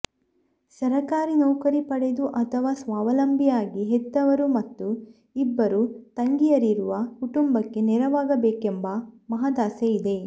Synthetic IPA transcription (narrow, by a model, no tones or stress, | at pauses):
sɐɾɐkaːɾinɐwkɐɾipɐɽe̞d̪uʔɐt̪ʰɐʋaːsʋaːʋɐlɐmbʱijaːɡiɦed̪ːɐʋɐɾumɐt̪ːu | ibːɐɾut̪ɐŋɡijɐɾiɾuʋɐkuʈumbɐkːe̞nɛɾɐʋaːɡɐbeːkembɐmɐɦɐd̪aːseid̪e̞